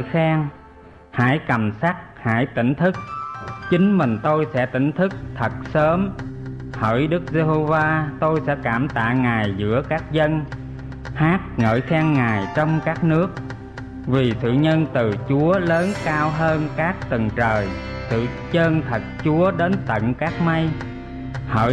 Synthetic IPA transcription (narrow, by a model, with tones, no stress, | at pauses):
jxaː˧ŋ | ha̰ː˧˥jkə˨˩msa˦˥k̚ha̰ː˧˥jt̪ï˧˩ŋ̟t̪ʰɨ˦˥k̚t͡ɕï˨˦ŋ̟mï˨˩ŋ̟t̪o˧jsɛ̰˧˥t̪ï˧˥ŋ̟t̪ʰɨ˦˥k̚t̪ʰə˨˩t̚səː˨˦m | hə̰ː˧˥jɗɨ˦˥k̚ze˧ɦo˧vaː˧t̪o˧jsɛ̰˧˥kaː˧˩mt̪a̰ː˧˨ŋaː˨˩jzɨ̰˧˥əkaː˦˥k̚zə˧n | haː˦˥t̚ŋə̰ː˧˨˩jxɛː˧ŋːaː˨˩jt͡ɕɔ˧wŋ͡mkaː˦˥k̚nɨ˦˥ək̚ | vi˨˩sɨ̰˧˨ɲə˧nt̪ɨ˨˩t͡ɕu˨˦ələː˨˦nkaː˧wɦəː˧nkaː˦˥k̚t̪ɨ˨˩ŋt͡ɕəː˨˩j | sɨ̰˧˨t͡ɕəː˧nt̪ʰə˨˩t̚t͡ɕu˨˦əɗe˨˦nt̪ə̰˧˨nkaː˦˥k̚ma˧j | hə̰ː˧˥